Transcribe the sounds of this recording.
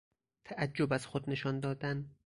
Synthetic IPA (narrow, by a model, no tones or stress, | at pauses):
t̪ʰæʔæd͡ʒːobæz̥xod̪ne̞ʃɒːnd̪ɒːd̪æn